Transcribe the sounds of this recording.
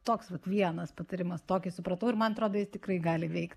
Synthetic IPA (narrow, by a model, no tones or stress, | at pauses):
t̪oːksʋɐt̪ʋʲiɛnɐspɐt̪ɐɾʲɪmɐst̪oːkʲɪsʊpɾɐt̪ɐʊɪɾmɐnɐt̪ɾoːd̪oːjɪst̪ʲɪkɾrɐɪɡɑːlʲɪʋʲɛɪktʲ